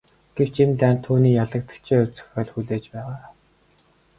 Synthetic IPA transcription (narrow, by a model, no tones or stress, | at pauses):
ɡ̥ew̥t͡ɕimt̪æːnt̪ʰːuːniːjaɮə̆k̚t̪ə̥̆kt͡ɕʰeːʊwt͡sɵ̥̆xɔːɮxuɮeːt͡ɕpæːʁaː